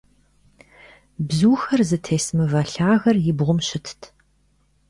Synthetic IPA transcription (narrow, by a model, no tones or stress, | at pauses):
bzuːxɐrzɨtʰeːsmɨvɐɬaːɣɐrjɪbʁʷʊmɕɪtʰtʰ